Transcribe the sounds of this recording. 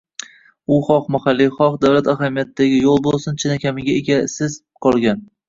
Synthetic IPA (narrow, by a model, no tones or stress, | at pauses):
ʊχɒqmahalːiχɒqd̪awlat̪aɦamijat̪d̪aɡʲɪjolˠbolˠsɪnt͡ʃʰɪnakʲamɪɡʲaeɡʲasɪz̥ | qʰɒlˠɡʲan